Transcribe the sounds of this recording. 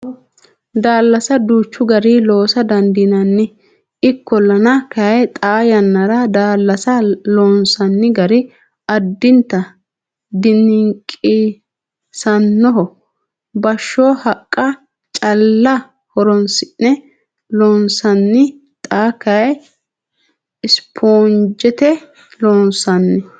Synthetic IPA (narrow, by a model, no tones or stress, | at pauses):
d̪aːlːɐsɐd̪uːt͡ʃːʊɡɐɾilo̞ːsɐd̪ɐnd̪iːnɐnːɪ | ɪkːɔlɐnɐkɐjt̪ʼaːjɐnːɐɾɐd̪aːlːɐsɐloːnsɐnːɪɡɐɾɪ | ɐd̪ːɪnt̪ːɐ | d̪ɪnːɪŋkʼi | sɐnːɔɦɔ | bɐʃːoːhɐkʼːɐ | t͡ʃʼɐlːɐ | hɔɾɔnsɪʔnɛ | loːnsɐnːɪ | t̪ʼaːkɐj | ɪspʰoːnd͡ʒɛt̪ɛ | loːnsɐnːɪ